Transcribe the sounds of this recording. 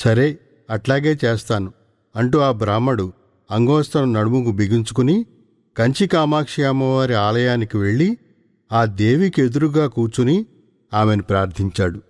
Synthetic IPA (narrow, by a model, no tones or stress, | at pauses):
sɐɾeː | ɐʈlaːɡe̞ːt͡ʃeːst̪aːnu | ɐɳʈuːaːbɾaːmːɐɽu | ɐŋɡɔːst̪ɐnɐmnɐɽumuɡubiɡiɲt͡ʃukuni | kɐɲt͡ʃikaːmaːkʂijaːmːɐʋaːɾiaːlɐjaːnikiʋe̞ɭːi | aːd̪e̞ːʋikie̞d̪uɾuɡaːkuːɾt͡ʃuni | aːme̞nupɾaːɾt̪ʰiɲt͡ʃaːɽu